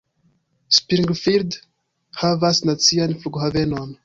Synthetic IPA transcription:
spiɾiŋɡfiɾd̪ | havasnat͡sijanifuɡoɦavenɔn

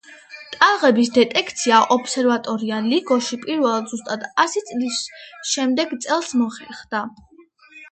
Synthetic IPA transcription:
t̪ʼaʁɛbisd̪ɛt̪ʼɛkʰt̪sʰiaʔɔpʰsɛɾvat̪ʼɔɾialiɡɔʃipʼiɾvɛlˠad̪zust̪ʼad̪asit̪sʼlisʃɛmd̪ɛɡt̪sʼɛlˠsmɔχɛɾχd̪̥a

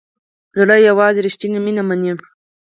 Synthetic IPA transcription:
zɽajawɑːziɾiʃtinaminamanem

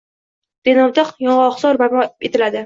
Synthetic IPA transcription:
d̪̥enɒwd̪ɑqjɒɴɑːχsɒɾbaɾmɒet̪ʰɪlad̪ɪ

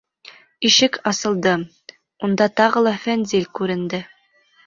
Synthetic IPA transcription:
iʃɘkʰɑsɤ̆lˠd̪ɤ | und̪ɑt̪ɑʁɤlˠɑfænzilʲkʉɾɘ̆nd̪ɘ

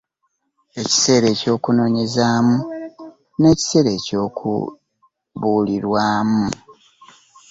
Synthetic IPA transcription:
e̞ci̥se̞ːɾe̞ːco̞ːkuno̞ːɲe̞zaːmu | ne̞ːci̥se̞ɾe̞co̞ːkʰṵ | βuːliɾwaːmu

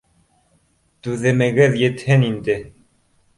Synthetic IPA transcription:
t̪ʉðɘ̆mɘ̆ɡɘðjɘ̆t̪hɘnind̪ɘ

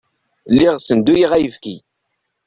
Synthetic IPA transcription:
lːiʁsənd̪ːujiʁæjəfkḭ

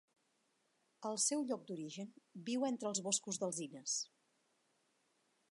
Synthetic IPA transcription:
əlˠsɛwʎɔk̚d̪uɾiʒənbiwent̪ɾəːlˠzβoskuzðəlˠzinəs

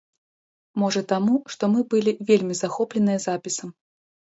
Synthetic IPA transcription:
mɔʐɐt̪amuʂt̪ɔmɨbɨlʲivʲelʲmʲizaxɔplʲɛnɨjɐzapʲisɐm

